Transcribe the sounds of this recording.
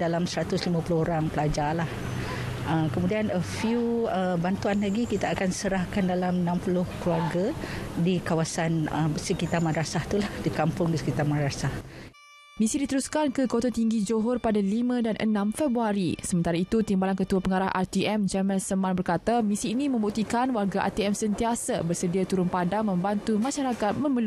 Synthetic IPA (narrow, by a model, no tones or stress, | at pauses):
dalamsəɾat̪ʊslimãpulʊɦoɾaŋpəlad͡ʒalah | ʔəkəmudianəfjuəbant̪uanlaɡikit̪aakansəɾahkandalamənãmpulʊhkluaɡadikawasanəsəkit̪armadɾasaht̪ulahdikampʊŋdisə̥kit̪armaɾasah | mĩsidit̪əɾuskankəkot̪ot̪iŋɡid͡ʒoɦɔrpadalimə̃danʔə̰nãmfɛbɾuaɾisəmənt̪aɾait̪ut̪imbalankət̪uapəŋaɾahʔa̰rt̪iʔɛmd͡ʒamãlsəmãnbərkat̪amĩsiːnĩmə̃mbuk̚t̪ikanwarɡaʔa̰t̪iɛmsənt̪iasabərsədiat̪uɾʊnpadaŋmə̃mbant̪umãʃaɾakat̪̚mə̃məlu